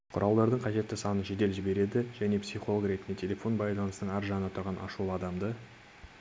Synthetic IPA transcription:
qʰʊ̰ɾʔɑlˠd̪ɑɾd̪əɴqʰɑʒe̞t̪ːɪsɑnənʒed̪e̞lʒɪbe̞ɾe̞d̪ɪʒæne̞psʲiχo̞lˠoɡɾe̞t̪ɪnd̪et̪ʲʰe̞lʲe̞fo̞nbɑjlˠɑnəsənəɴæɾʒɑnənɑt̪ʰʊɾʁɑnʔɑ̰ʃulˠəɑd̪ɑmd̪ə

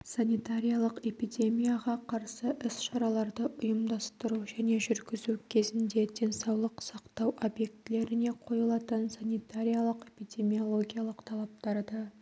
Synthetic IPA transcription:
sanijt̪aɾʲijalˠəqe̞pid̪ʲe̞mijaʁɑqʰɑɾsəʔɪsʃɑɾɑlˠɑɾd̪əʔʊjəmd̪ɑst̪əɾuʒæne̞ʒʏɾɡʲɪzukʲʰe̞zɪnd̪e̞d̪e̞nsɑwlˠəqsɑqt̪ɑwʔo̞bje̞k̚t̪ɪle̞ɾɪne̞qʰo̞jəlˠɑt̪ənsanijt̪aɾʲijalˠəqe̞pijd̪ʲe̞mʲio̞lˠo̞ɡʲijalˠəqt̪ʰɑlˠɑp̚t̪ɑɾd̪ɑ

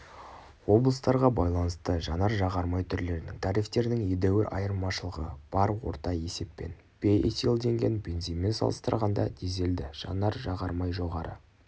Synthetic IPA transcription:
wo̞blˠəst̪ɑɾʁɑbɑjlˠɑnəst̪əʒɑnɑɾʒɑʁɑɾmɑjt̪ʰʏɾle̞ɾɪnɪŋt̪ʰɑɾijft̪e̞ɾd̪ɪŋed̪æwɪɾʔɑjəɾmɑʃəlˠəʁəb̥ɑɾwo̞̰ɾt̪ɑje̞se̞pːe̞̰n | b̥eḛt̪elˠd̪e̞ŋɡʲe̞nbʲe̞nzinme̞nsɑ̰lˠəst̪əɾʁɑnd̪ɑ̰d̪ʰeze̞ld̪ɪʒ̥ɑ̰nɑɾʒɑʁɑɾmɑjʒo̞ʁɑɾə̰

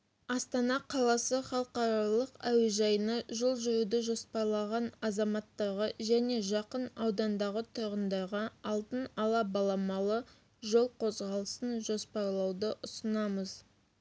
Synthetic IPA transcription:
ɑst̪ɑnɑqʰɑlˠɑsəχɑlˠəqɑɾɑlˠəqæweʒɑjənɑʒʊlˠʒʏɾud̪əʒo̞spɑɾlˠɑʁɑnɑzɑmɑt̪ːɑʁəʒæne̞ʒɑqənɑwd̪ɑnd̪ɑʁət̪ʰʊɾʁənd̪ɑʁəɑlˠt̪ənɑlˠɑbɑlˠɑmɑlˠə | ʒo̞lˠqʰo̞zʁɑlˠəsənʒo̞spɑɾlˠɑwd̪əʔʊsənɑməz̥

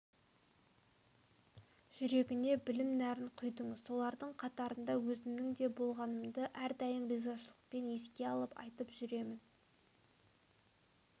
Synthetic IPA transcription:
ʒ̥ʏɾe̞ɡʲɪne̞bɪlɪmnæɾɪɴqʰʊjd̪əŋɪz̥so̞lˠɑɾd̪əɴqʰɑt̪ɑɾənd̪ɑwɵzɪmnɪŋd̪e̞bo̞lˠʁɑnəmd̪əʔæɾd̪ɑjəmbezɑʃəlˠə̥q̚pe̞ne̞skʲe̞ɑlˠəpɑ̰jt̪əpʒ̥ʏɾe̞mɪn

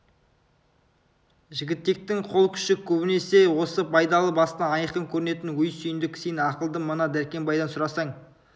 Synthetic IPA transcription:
ʒɪɡʲɪt̪ːe̞k̚t̪ɪŋqʰo̞lˠkʲʰʏ̥ʃɪkʲʰɵbɪne̞se̞wo̞səpʰɑjd̪ɑlˠəbɑst̪ɑɑjəqəŋkʲʰɵɾɪne̞t̪ɪnwɵjsʏjɪnd̪ɪksenɑqəlˠd̪əmənɑd̪æɾkʲe̞mbɑjd̪ɑnsʊɾɑsɑɴ

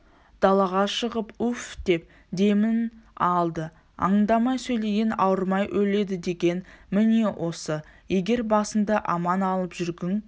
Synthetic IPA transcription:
d̪̥ɑlˠɑʁɑʃəʁəpʉfd̪̥e̞p̚ | d̪e̞mɪnɑlˠd̪ə | ɑ̰ɴənd̪ɑmɑjsɵjle̞jʲɪnɑwəɾmɑjʔɵle̞d̪ɪd̪e̞ɡʲe̞nmɪnewʔo̞səje̞ɡʲe̞ɾbɑsənd̪ɑʔɑmɑnɑlˠəpʒʏɾɡ̪ʲɪŋ

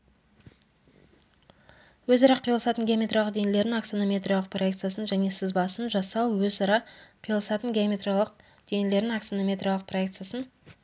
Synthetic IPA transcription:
wɵzɑɾɑqʰijlˠəsɑt̪ənɡʲeamʲe̞t̪ralˠəq̚d̪e̞nele̞ɾd̪ɪŋak̪sonomʲe̞t̪rijalˠəq̚pʰroje̞kt̪sɨjasənʒæne̞sɪzbɑsənʒɑsɑwwɵzɑɾɑqʰijlˠəsɑt̪əŋɡʲeamʲet̪ralˠəq̚ | d̪̥e̞jnele̞ɾd̪ɪŋak̪sonomʲe̞t̪ɾrijalˠəq̚pʰro̞ek̚t̪sɨjasən

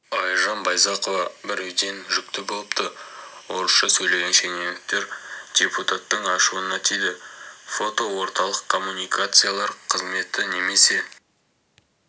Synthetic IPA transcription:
ɑjʒɑnbɑjzɑqo̞vɑbɪɾewd̪e̞nʒʏk̚t̪ɪbo̞lˠəpt̪ʰəwo̞ɾəsʃɑsɵjle̞ɡʲe̞nʃe̞nenɪk̚t̪e̞ɾd̪ʲe̞put̪at̪ːəɴɑʃuənɑt̪ʰijd̪ɪfo̞t̪o̞wo̞ɾt̪ɑlˠəqkʰːo̞mːunijkat̪sɨjalˠɑɾqʰəzme̞t̪ɪne̞me̞se̞

